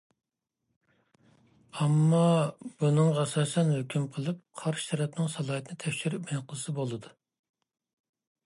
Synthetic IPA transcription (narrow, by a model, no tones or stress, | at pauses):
ɑmːɑb̥unɨŋʁɑɛsɑːsɛnhøkʲymqʰəlˠɨp̚qʰɑɾʃt̪ʰɛɾɛpnɪŋsɑlˠɑːt̪ʰɪnɪt̪ʰɛkʲʃyɾypmenqəlˠɨsɨbolˠɨd̪u